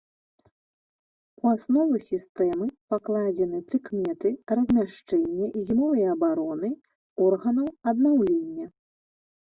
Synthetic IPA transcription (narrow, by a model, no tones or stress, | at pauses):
uasnɔvɨsʲist̪ɛmɨpaklˠad͡zʲɛnɨpɾɨkmʲɛt̪ɨrɐzʲmʲaʂt͡ʂɛnʲːɐʔizʲimavɨjɐbaɾɔnɨ | ɔrɣɐnɐwɐd̪̚nawlʲenʲːɐ